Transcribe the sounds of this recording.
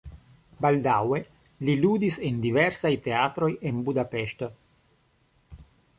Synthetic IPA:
bald̪awe̞ | lilud̪isendiveɾsajt̪eat̪ɾo̞jenbudapeʃt̪o

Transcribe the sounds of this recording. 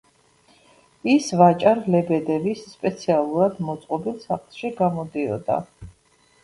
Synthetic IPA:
isvat͡ʃʼaɾlɛbɛd̪ɛvisːpʼɛt̪sʰialˠuɾad̪mɔt̪sʼqʼɔbilˠsaχlˠʃiɡamɔd̪iɔ̰d̪a̰

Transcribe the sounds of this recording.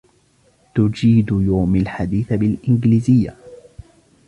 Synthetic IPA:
t̪ʊd͡ʒiːd̪ʊjaːmalħad̪iːθabɪlʔɪnɡliːzɪjːa̰

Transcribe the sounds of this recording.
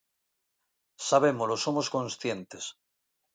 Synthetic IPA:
saβ̞e̞moloso̞mosko̞nsθje̞nt̪es

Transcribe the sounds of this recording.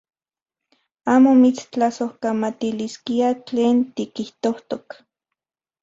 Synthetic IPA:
aːmomit͡st͡ɬasohkamat̪iliskiat͡ɬeːnt̪ikiht̪oht̪ok

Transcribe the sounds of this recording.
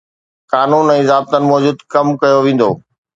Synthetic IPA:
kaːnuːnɛ̃ːzaːb̚t̪ənɪ̆mɔːd͡ʑuːd̪kɐmkɐjoʋẽːn̆d̪oː

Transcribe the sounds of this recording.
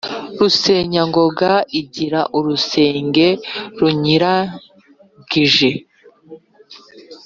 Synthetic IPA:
ɾuseːɲaŋɡo̞ɡaiɟiɾaʔuɾuse̞ːŋɡe̞ɾuɲiɾa | ɡ̥iʒe̞

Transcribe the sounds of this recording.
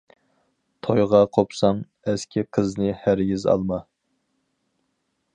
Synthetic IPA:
t̪ʰojʁɑqʰopsɑŋ | ɛskʲʰiqʰəznɨhæɾjʲizɑ̰lˠmɑ

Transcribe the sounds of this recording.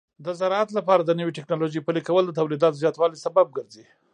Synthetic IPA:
d̪əzaɾɑat̪lapɑɾad̪ənəwiʈɪknɑloʒijpəlikawəld̪ət̪awlid̪ɑt̪ozjɑt̪wɑlisabab̚ɡəɾzi

